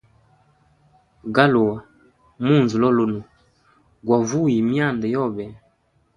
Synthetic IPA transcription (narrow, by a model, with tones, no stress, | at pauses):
ɡa˦lu˨wa˨ | mu˦˨nzu˨lɔ˦˨lo˦nu˨ | ɡwa˨vu˦˨ji˨mi˦a˦˨nda˨jɔ˦˨bɛ˨